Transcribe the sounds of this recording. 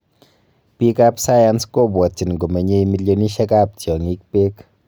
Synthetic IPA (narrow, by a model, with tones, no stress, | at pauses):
pi˦kapsa˦jansko˦pwɔ˨t͡ʃi˨nŋɡo˨me˨ɲe˧mi˧ljoni˦ʃɛ˦kap̚tjɔ˨ŋi˦k̚pe˦k